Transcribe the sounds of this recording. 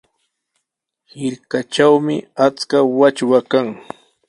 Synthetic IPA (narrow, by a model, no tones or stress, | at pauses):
hɪɾkat͡ʃawmɪat͡skawat͡ʃwakaŋ